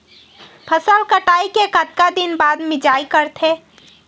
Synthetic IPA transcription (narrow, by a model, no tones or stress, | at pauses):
pʰəsəlkəʈaːikekət̪kad̪inbad̪mɪd͡ʒaːikəɾt̪ʰe